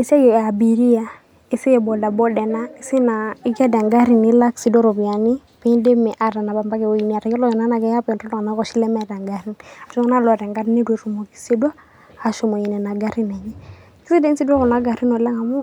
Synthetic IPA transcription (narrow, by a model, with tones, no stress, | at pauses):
i˨sa˦jɔ˨a˨bi˨ɾi˦ja˨ | i˨si˦˨bɔ˨da˨bɔ˦dɛ˨na˦i˦si˦na˨i˦kɛ˦da˨ŋɡa˦ɾi˨ni˦la˦ksi˨dɔ˦ɾɔ˨bi˨a˨ni˦ | pi˦nde˦mɛ˨ʔa˨ɾa˨na˨ba˨mba˦kɛ˨o˨˦ji˨ni˨a˨ɾa˨kɔ˦lɔ˦jɛ˨na˦na˨kɛ˦ja˦pa˨nɾɔ˦lɔ˦ŋa˨na˦kɔ˨ʃi˦lɛ˦mɛ˦da˨ŋɡa˨ɾi˦na˨ʃɔ˦ŋ˦na˦lɔ˨ɾɛ˨ŋɡa˦dne˦dwe˨ɾu˨mo˨ki̥˦se˦dwaː˦˨ | ʃɔ˨mo˨ji˨nɛ˨na˨ɡa˦ɾi˦nɛ˨ɲi˦ | ki˦si˦de˦nsi˦da˦kɔ˨na˨˦ɡa˨ɾi˦nɔ˨lɛ˦ŋa˨mu˦